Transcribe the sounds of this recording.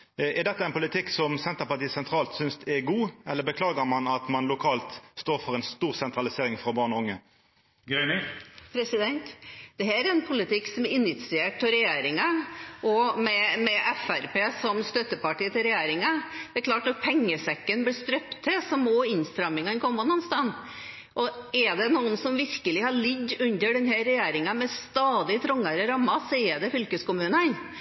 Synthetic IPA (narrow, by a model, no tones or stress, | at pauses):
ɛʁd̪ɛt̪ːəæɛɪnpʊlɪt̪ʰɪkːsɔmsɛnt̪əɾpɑʈiːəsɛnt̪ʰɾɑːlt̪sʏnst̪ɛɡuːɛlːəɾbəkʰlɑːɡəmɑnɑt̪mɑnlʊkʰɑːlt̪st̪oːɾfɔʁɛnst̪uːʁsɛnt̪ɾɑlɪseːɾɪŋfɔʁbɑːʁnɔʊŋːə | ɡœnɪpʰɾɛsɪd̪ɛnt̪d̪̥ɛɦæɾɛnpʰʊlɪt̪ɪksɔmɪnɪt̪sɪeːʈ̚pɔɾɛjeːɾɪŋɑʔɔmɛmɛʔɛfæɾpeːsɔmst̪œt̪ːəpɑʈiːət̪ɪlɾɛjeːɾɪŋɑd̪̥ɛæɾkʰlɑːʈnɑt̪̚pʰɛŋːəsɛkːənblɪst̪ɾœpt̪ʰːɪlsɔmoːɪnst̪ɾɑmːɪŋɑɛnkʰɔmːɑnɑnst̪ɑn | ʔɔɛɖ̪ɛnuːənsɔmʋɪɾkəlɪhɑɭɪɡːʉnd̪əɖɛnɦæɾɛjeːɾɪŋɑmɛst̪ɑːd̪ɪt̪ʰɾɔŋːəɾəɾɑmːɑsɛəd̪ɛfʏlkəskʊmʉːnən